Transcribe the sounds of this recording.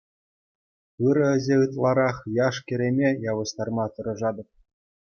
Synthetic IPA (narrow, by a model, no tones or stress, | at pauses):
ɯɾɤ̆ɘ̆zʲeɯt̪lˠɑɾɑχjɑʂkʲɘ̆ɾʲemʲejɑʋɤ̆ɕt̪ɑrmɑt̪ɤ̆ɾɤ̆ʐɑd̪ɤ̆p̚